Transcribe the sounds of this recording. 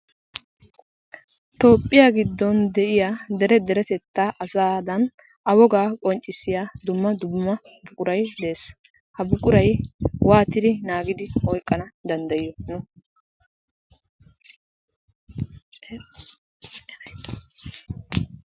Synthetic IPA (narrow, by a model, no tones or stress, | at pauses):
t̪o̞ːpʼːɪjaːɡɪd̪ːɔnd̪ɛʔɪjad̪ɛɾɛd̪ɛɾɛt̪ɛt̪ːaʔɐsaːd̪ɐn | ʔɐwɔɡaːkʼɔnt͡ʃʼːɪsɪjaːd̪ʊmːɐd̪ʊmːɐ | bʊkʼʊɾɐjd̪e̞ːs | hɐbʊkʼʊɾɐjwaːt̪ɪd̪ɪnaːɡɪd̪ɪɔjkʼːɐnɐd̪ɐnd̪ɐjɪjːɔnʊ